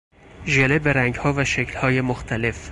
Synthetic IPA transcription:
ʒelebeɾæŋɟhɒːvæʃecʰlhɒːje̞moxt̪ʰæle̞f

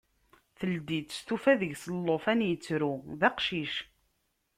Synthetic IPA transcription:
θəld̪it̪ːst̪ufæðəʝsəlːofænjət͡sːɾuðæqʃiʃ

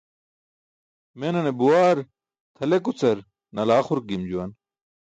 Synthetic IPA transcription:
menɐnebuwaːɾ | t̪ʰɐlekut͡sɐɾ | nɐlaːχuɾk̚ɡimd͡ʑuwɐn

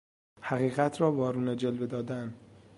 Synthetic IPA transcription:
hæɣiːɣæt̪ʰrɒːvɒːɾuːned͡ʒelve̞d̪ɒːd̪æn

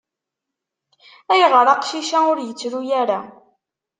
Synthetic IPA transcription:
æjəʁɾˤɑqʃiʃaʊɾjət͡sːɾujæɾa

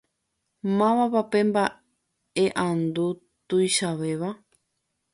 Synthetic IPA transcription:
mãβapape̞mba | eʔãnd̪u | t̪ujʃaʋeʋa

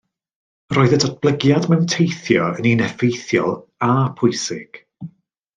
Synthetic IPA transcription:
roːɨðədɔdb̥lˠəɡjadmɛwntʰejθjɔəninɛfejθjɔ̰lˠ | apʰʊjsɪɡ̥

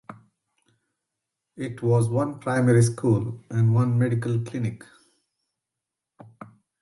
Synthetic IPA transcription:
ɪʈʰʋɔːzʋʌ̃npɾaɪmɛɾis̬kʰuːlʔɛ̃ɳɖʋʌ̃nmɛɖikəlklɪnɪk

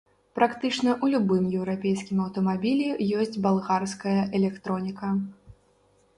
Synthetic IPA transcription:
pɾakt̪ɨt͡ʂnɐʔulʲubɨmjɛwɾapʲejskʲimɐwt̪ɐmabʲilʲijɔsʲd͡zʲbalˠɣarskɐjɐʔɛlʲɛkt̪ɾɔnʲikɐ

